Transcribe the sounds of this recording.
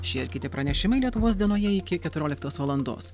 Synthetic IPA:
ʃʲiɛɪɾkʲɪt̪ʲɪpɾɐnʲɛʃʲɪmɐɪlʲiɛt̪ʊʋoːsd̪ʲiɛnoːjɛɪkʲɪkʲɛt̪ʊɾʲoːlʲɪk̚t̪oːsʋɐlˠɐnd̪o̰ːs

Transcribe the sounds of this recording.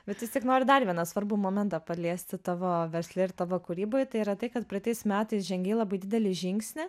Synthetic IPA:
bʲɛt̪jʲɪst̪ʲiɛknoːɾʲɪd̪ɐɾʋʲiɛnɐsʋɐɾbumoːmʲɛnt̪ɐpɐlʲiɛsʲt̪ʲɪt̪ɑːʋoːʋʲɛɾʲsʲlʲɪɪɾt̪ɑːʋoːkʊɾʲiːboːjt̪ɐɪiːɾɐt̪ɐɪkɐt̪pʲɾʲɐt̪ʲɛɪsmʲæːt̪ɐɪsʒʲɛŋʲɡʲeːlˠɐbɐɪd̪ʲɪd̪ʲɛlʲɪʒʲɪŋksʲnʲɪ

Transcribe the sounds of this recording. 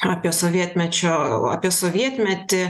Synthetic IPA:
ɐpʲiɛsoʋʲiɛt̪ʲmʲɛt͡ʃʲoa̰ːpʲiɛsoːʋʲiɛt̪ʲmʲɛt̪ʲɪ

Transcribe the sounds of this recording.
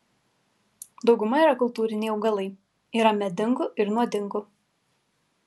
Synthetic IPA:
d̪ɒʊɡʊmɐiːˑɾɐkʊlˠt̪uːɾʲɪnʲɛɪɐʊɡɐlˠɐɪ | iːɾɐmʲɛd̪ʲɪŋɡʊʔɪɾnuɔd̪ʲɪŋɡʊ

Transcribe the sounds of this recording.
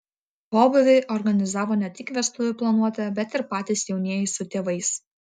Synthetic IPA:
poːbʊʋʲeɪʔɔɾɡɐnʲɪzɑːʋɔːnʲɛt̪ʲɪkʋʲɛst̪ʊʋʲʊplˠɐnuɔt̪ʲɛbʲɛt̪ɪɾpɑːt̪ʲɪːsjɛʊnʲiɛjɪsʊt̪ʲeːʋɐɪs

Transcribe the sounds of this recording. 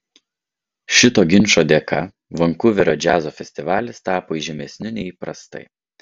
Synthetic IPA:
ʃʲɪt̪oːɡʲɪnʲˑʃoːd̪ʲeːkɐ | ʋɐŋkʊʋʲɪɾʲoːd͡ʒʲæːzoːfʲɛsʲt̪ʲɪʋɑːlʲɪst̪ɑːpoːiʒʲɛmʲɛsʲnʲɪnʲɛɪiːpɾɐ̰st̪ɐ̰ɪ

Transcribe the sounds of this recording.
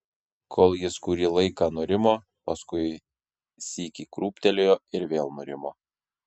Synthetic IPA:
kʰoːlˠjɪskuːɾʲiːlˠɐɪkɐnoːɾʲɪmoː | pɐskʊɪ | sʲiːkʲikɾuːpʲt̪ʲɛlʲoːjoːɪɾʋʲeːlˠnoːɾʲɪmoː

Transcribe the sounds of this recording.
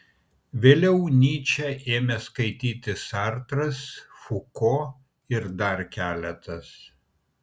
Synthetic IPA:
ʋʲeːlʲɛʊnʲiːt͡ʃʲɛʔeːmʲɛskɐɪt̪ʲiːt̪ʲɪsɑɾt̪ɾɐs | fʊkoː | ɪɾd̪ɐɾkʲæːlʲɛt̪ɐs

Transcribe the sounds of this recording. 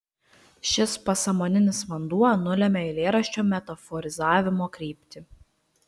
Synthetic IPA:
ʃʲɪspɐsɐmoːnʲɪnʲɪsʋɐnd̪uɔnʊlʲɛmʲɛɪlʲeːɾɐʃʲt͡ʃʲoːmʲɛt̪ɐfɔɾʲɪzɑːʋʲɪmoːkɾʲiːpʲt̪ʲɪ

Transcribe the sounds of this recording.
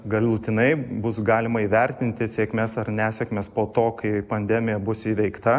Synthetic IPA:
ɡɐlˠuːt̪ʲɪnɐɪbʊsɡɑːlʲɪmɐiːʋʲɛɾʲt̪ʲɪnʲt̪ʲɪsʲeːkmʲesɐrnʲæːsʲɛkmʲeːspoːt̪oːkɐɪpɐnʲd̪ʲɛmʲɪjɛbʊsiːʋʲɛɪkt̪ɐ

